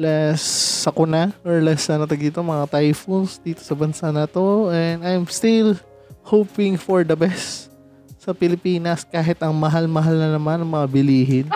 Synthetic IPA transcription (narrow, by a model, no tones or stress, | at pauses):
lɛsːɐkʊnaʔɔɹlɛsːɐnɐt̪ɐɡ̪iːt̪omɐŋat̪ajfunsd̪iːt̪o̞sɐbɐnsanɐt̪o̞ɛnd̪ajmst̪ɪl | hoːpɪŋfoɹd̪ɐbɛst̪ | sɐpɪlɪpiːnɐskaːɦɪt̪ɐŋmɐɦalmɐɦalnɐnɐmanːɐŋmɐŋabɪliːɦɪn